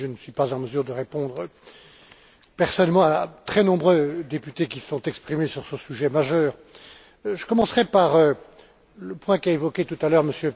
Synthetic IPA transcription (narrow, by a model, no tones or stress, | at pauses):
ʒənəsɥipazɑ̃məzyʁd̪əʁepɔ̃d̪ʁə | pɛʁsɔnɛlmɑ̃at̪χɛnɔ̃bʁød̪epyt̪ekʲisɔ̃t̪ɛkspχimesyʁsəsyʒɛmaʒœːʁ | ʒəkɔmɑ̃sχɛpaʁø | ləpwɛ̃kaevɔkʲet̪ut̪alœʁməsjø